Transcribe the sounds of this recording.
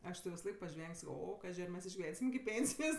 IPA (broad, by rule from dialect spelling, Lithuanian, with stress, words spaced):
ˈɐʃ tʲɪ ʋʲɪsɐˈlˠɐɪk pɐˈʒʲʋʲɛŋʲkʲ ˈsɑːkoː ˈoː ˈkɑːʒʲɪ ɐr ˈmʲɛs ɪʒʲɡʲɪˈʋʲɛnʲsʲɪm ɪkʲɪ ˈpʲeːnʲsʲɪjoːs